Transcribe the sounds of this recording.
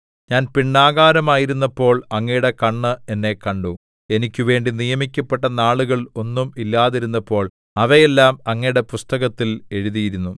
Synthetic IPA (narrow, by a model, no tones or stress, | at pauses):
ɲaːnpiɳːaːɣaːɾɐmaːjiɾunːɐpːo̞ːɭɐŋːɐjuɽe̞kɐɳːɨe̞nːe̞kɐɳɖu | e̞nikʲːuʋe̞ːɳɖinijɐmikʲːɐpːeʈːɐnaːɭuɣɐɭo̞nːumilːaːðiɾunːɐpːo̞ːɭ | ɐʋɐjelːaːmɐŋːɐjɽe̞pust̪ɐɣɐt̪ːile̞ɻuðijiɾunːu